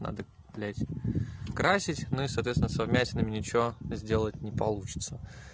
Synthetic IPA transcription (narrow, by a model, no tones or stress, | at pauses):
na̰d̪ə | plʲætʲkɾasʲɪtʲnuisəɐːt̪vʲeɪnəsɐvmʲæsʲɪnəmʲɪnʲɪt͡ɕɪvozʲdʲe̞lˠətʲnʲɪpɐlˠut͡ɕɪ̥t̪sə